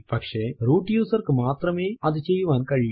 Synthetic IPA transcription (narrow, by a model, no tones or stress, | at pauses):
pɐkʂeɾuːʈjuːsɐɾkmaːt̪ɾɐmeːɐd̪it͡ʃejʋaːnkɐɻi